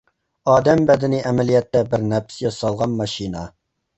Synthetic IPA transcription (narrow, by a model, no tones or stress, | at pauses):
ɑːd̪ɛmbɛd̪ɪnɪʔɛmɛlijɛt̪ːɛbɪɾnɛpsjɑsɑlˠʁɑnmɑʃinɑ